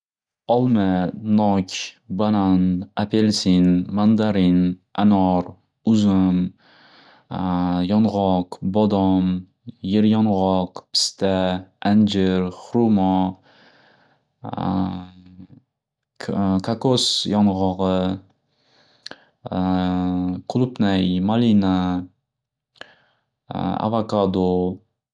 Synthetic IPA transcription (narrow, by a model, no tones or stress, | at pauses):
ɒlˠmanɒkʲbananapʰelsinmand̪aɾinʔanɔɾ | ʊzɪm | jɒnʁɒqbɒd̪ɒm | jeɾjɒnʁɒqpʰɪ̥st̪aand͡ʒɪɾχɾumɔ | kʰakosjɒnʁɒʁɨ | qʰʊlˠʊpnajmalina | a̰vakad̪o